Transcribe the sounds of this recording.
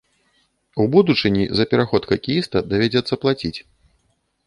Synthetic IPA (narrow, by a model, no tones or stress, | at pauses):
ubud̪ut͡ʂɨnʲḭzɐpʲɛɾaxɔt̪kɐkʲijist̪ɐd̪avʲad͡zʲɛt̪sːɐplˠat͡sʲit͡sʲ